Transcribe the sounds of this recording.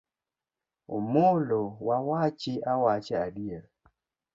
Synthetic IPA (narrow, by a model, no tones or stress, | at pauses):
o̰molowawat͡ʃɪʔawat͡ʃɪadiel